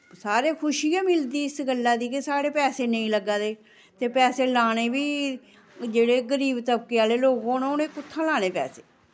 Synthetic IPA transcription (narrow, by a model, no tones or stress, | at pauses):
saːɾeːkʰʊʃiːãːmɪld̪iːɪsɡəlːaːd̪iːkɪsaːɽeːpɛːseːnəĩːləɡːaːd̪eː | t̪eːpɛːseːlaːñeːbiː | d͡ʒeːɽeːɡəɾiːbt̪əbkeːaːleːloːɡõːnõoːnẽːkʊt̪ʰːãːlaːñeːpɛ̰ːseː